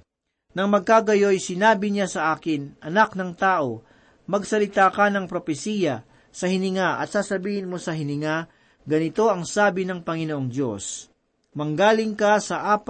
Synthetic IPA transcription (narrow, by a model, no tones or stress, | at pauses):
nɐŋmɐɡ̚kaːɡɐjo̞jsɪnaːbɪɲasɐʔaːkɪnʔɐnaknɐŋt̪aːʔo̞ | mɐɡsɐlɪt̪aːkɐnɐŋpɾopɛsiːjɐ | sɐhɪnɪŋaʔɐ̰t̪̚saːsɐbiːhɪnmo̞sɐɦɪnɪŋa | ɡɐnɪt̪o̞ʔɐŋsaːbɪnɐŋpɐŋɪnoʔoŋd̪jo̞̰s | mɐŋɡaːlɪŋkɐsɐʔaːp